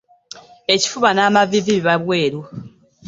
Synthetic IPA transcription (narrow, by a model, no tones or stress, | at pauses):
e̞ci̥fuβanaːmaviviβiβaβwe̞ːɾo